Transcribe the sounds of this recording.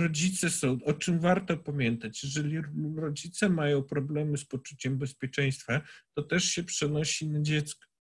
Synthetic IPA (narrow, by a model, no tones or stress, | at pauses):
ɾɔd͡ʑit̪sɛsɔ̃w̃ɔt͡ʂɘmvaɾt̪ɔpamʲjɛnt̪at͡ɕjɛʐɛlʲiɾɔd͡ʑit̪sɛmajɔ̃w̃pɾɔblɛmɘspɔt͡ʂut͡ɕɛmbɛspʲjɛt͡ʂɛj̃st̪fat̪ɔt̪ɛʂɕɛpʂɛnɔɕinad͡ʑɛt̪skɔ̥